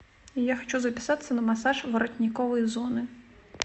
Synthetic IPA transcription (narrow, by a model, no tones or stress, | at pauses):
ijaxɔt͡ʃuzɐpʲɪ̥sat̪ɪ̥sʲɐnɐmɐsaʒʋɐɾɔt̪ʲnʲikɔʋʊjizɔnɪ